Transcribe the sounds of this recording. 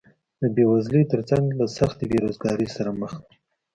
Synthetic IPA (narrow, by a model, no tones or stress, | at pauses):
d̪əbewazlit̪əɾt͡saŋɡlasaxt̪ebeɾozɡɑɾəsaɾaməx